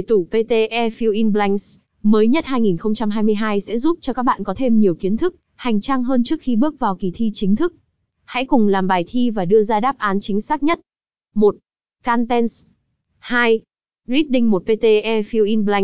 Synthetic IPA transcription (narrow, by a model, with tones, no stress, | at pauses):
jt̪u˧˩pe˧t̪e˧ʔɛ˧fi˧wʔi˧nɓla˧jŋs | məː˨˦jɲə˦˥t̚haː˧jŋi˨˩nxə˧wŋ͡mt͡ɕa˧mɦaː˧jmɨ˧əjɦaː˧jsɛ̰˧˥zu˦˥p̚t͡ɕɔ˧kaː˦˥k̚ɓa̰ː˧˨nkɔ˨˦t̪ʰe˧mɲi˨˩əwki˨˦ənt̪ʰɨ˦˥k̚ | ha˨˩jŋ̟t͡ɕaː˧ŋɦəː˧nt͡ɕɨ˦˥ək̚xi˧ɓɨ˦˥ək̚vaː˨˩wki˨˩t̪ʰi˧t͡ɕï˨˦ŋt̪ʰɨ˦˥k̚ | ha̰˧˥jkʊ˨˩ŋ͡mlaː˨˩mɓaː˨˩jt̪ʰi˧vaː˨˩ɗɨ˧əzaː˧ɗaː˦˥p̚ʔaː˨˦nt͡ɕï˨˦ŋ̟saː˦˥k̚ɲə˦˥t̚ | mo˨˩t̚ | kaː˧nt̪ɛ˧ns | haː˧j | zi˦˥t̚ɗï˧ŋ̟mo˨˩t̚pe˧t̪e˧ʔɛ˧fi˧wʔi˧nbla˧ŋ